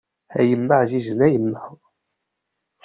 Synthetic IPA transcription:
æjəmːəʕziʒənæjəmːəʁ

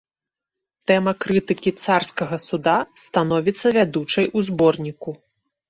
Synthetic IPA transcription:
t̪ɛmɐkɾɨt̪ɨkʲit̪sarskɐɣɐsud̪ast̪anɔvʲit̪sːɐvʲad̪ut͡ʂɐjʔuzbɔrnʲiku

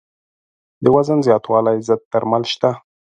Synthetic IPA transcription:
d̪əwazənzjɑt̪wɑlajzəd̪̚t̪aɾmalʃt̪a

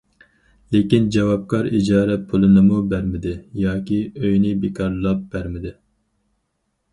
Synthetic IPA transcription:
lekʲind͡ʒɛwɑp̚kʰɑɾḭd͡ʒɑːɾɛpʰulˠɨnɨmubæɾmɪd̪ɪjɑːkʲiøjnɪbekʰɑɾlˠɑp̚b̥æɾmɪd̪ɪ

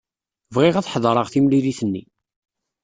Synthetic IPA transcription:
vʁɪʁæθħðˤɾˤəʁθimliliθənːḭ

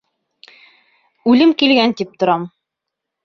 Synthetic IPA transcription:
ʉlɘmkilɡænt̪ip̚t̪ŏɾɑm

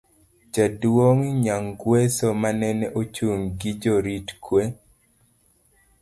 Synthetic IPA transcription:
d͡ʒadwoŋiɲaŋɡwesomanɛnɛʔot͡ʃuŋɡɪd͡ʒoɾitkwe

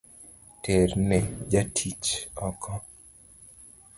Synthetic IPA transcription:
ternɛd͡ʒatʰit͡ʃɔkʰɔ

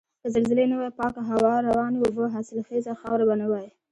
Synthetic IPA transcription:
kəzalzɪlenawajpɑkaɦawɑɾawɑneʊboɦɑsɪlxezaxɑwɾabanawɑji

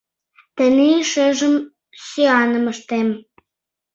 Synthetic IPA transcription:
t̪əneiʃeʒəm | søɑnə̆məʃt̪em

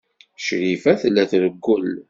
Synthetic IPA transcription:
ʃɾifæθlːæθɾəɡːʊl

